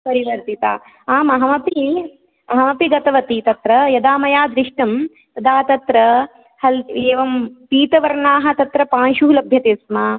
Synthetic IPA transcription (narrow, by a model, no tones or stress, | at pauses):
pɐɾiʋɐɾt̪it̪a̰ː | aːmɐɦɐmɐpi | mɐɦɐmɐpiɡɐt̪ɐʋɐt̪it̪ɐt̪ɾɐjɐd̪aːmɐjaːd̪ɾiʂʈɐm | t̪ɐd̪aːt̪ɐt̪ɾɐ | hɐleːʋɐmpiːt̪ɐʋɐɾɳaːɦɐ̆t̪ɐt̪ɾɐpaːnʃuɦulɐbʱjɐt̪eːsmaː